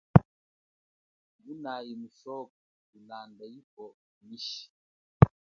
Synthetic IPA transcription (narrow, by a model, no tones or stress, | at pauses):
bunajimusɔk̚ɔ | ulandaip̚ɔ | miʃi̥